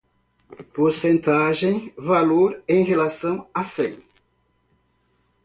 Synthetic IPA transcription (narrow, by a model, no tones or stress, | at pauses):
poɾsẽnt̪aʒẽj̃valoɾẽj̃ɦelasɐ̃w̃asẽj̃